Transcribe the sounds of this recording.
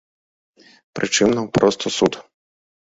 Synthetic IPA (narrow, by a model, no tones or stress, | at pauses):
pɾɨt͡ʂɨmnɐwpɾɔst̪ʰɔsut̪